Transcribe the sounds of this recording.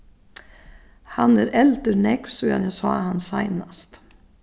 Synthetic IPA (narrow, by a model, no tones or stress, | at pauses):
hanæɾʔɛlt̪əɾnɛksuːja̰njæsɑ̰ːhansaɪnast̪